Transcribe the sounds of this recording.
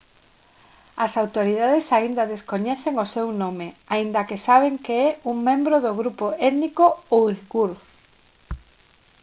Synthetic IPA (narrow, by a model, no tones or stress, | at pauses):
ɐsawt̪oɾiðaðesaind̪ɐðeskoɲɛθeŋosewnomeaind̪ɐkɪsaβeŋkeɛuŋmẽmbɾoðʊɣɾupoɛðnikooiɣuɾ